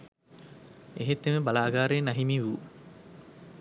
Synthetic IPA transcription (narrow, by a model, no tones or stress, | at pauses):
eɦet̪ːemebɐlaːɡaːɾeːnɐɦimiʋuː